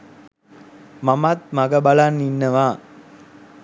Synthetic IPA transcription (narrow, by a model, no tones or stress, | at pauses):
mɐmat̪̚mɐɡɐbɐlanːinːɐʋaː